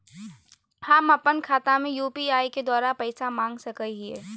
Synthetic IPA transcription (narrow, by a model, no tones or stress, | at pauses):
hamɐpənkʰaːt̪amẽjuːpiaːiked̪waːɾapɛɪsamãːŋɡsɐkəɦiɛː